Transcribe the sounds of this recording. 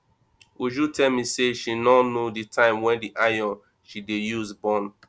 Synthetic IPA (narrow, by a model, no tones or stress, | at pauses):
uʒutɛlmiseʃinɔnoditʰãɪ̃mwɛ̃ndiʔajɔ̃n | ʃidejuzbɔ̃n